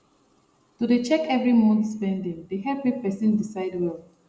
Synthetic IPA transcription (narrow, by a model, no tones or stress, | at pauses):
tudet͡ʃɛkɛvɹimɔ̃ntspɛ̃ndĩŋdeɦɛpepɛsĩndisaɪdwɛl